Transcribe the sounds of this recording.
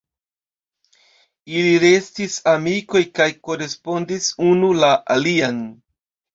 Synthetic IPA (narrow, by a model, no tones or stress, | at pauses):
iliɾe̞stisamiko̞jkajko̞ɾe̞spo̞ndisunulaʔalian